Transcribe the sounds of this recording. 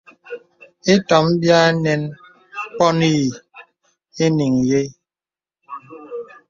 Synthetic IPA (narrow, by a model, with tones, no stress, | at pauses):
e˦tɔ˨m̩˦bja˦nɛ˦n | k͡pɔ˦ni˦˨ | e˦ni˨ŋ˨je˦